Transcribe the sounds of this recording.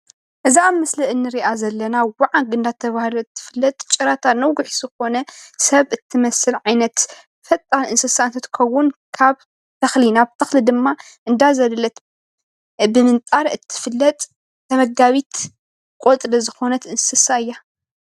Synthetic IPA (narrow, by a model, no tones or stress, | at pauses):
ʔɨziamːɐsliɨnːɨɾiʔazɐlːɐnawaʕaɡɨnd̪at̪ʰːɐβahluɨt̪ʰːɨ̥fɨlːɐt̪ʼt͡ʃʼɨɾat̪ʰanɐwɡʊħzɨxo̞nɐsɐβɨt̪ʰːɨmɐsɨlʕajnɐt̪ | fɐt̪ʼːanɨnsɨsaɨnt̪ʰɨt̪ʰɨ̥kʰɐwʊnkʰaβ | t̪ʰɐxlinaβt̪ʰɐxlid̪ɨmːa | ʔɨnd̪azɐllɐt̪ | bɨmɨnt̪ʼaɾɨt̪ʰːɨ̥fɨlːɐt̪ʼ | t̪ʰɐmɐɡaβit̪ | kʼot̪ʼɾɐzɨxo̞nɐt̪ɨnsɨsaɨjːa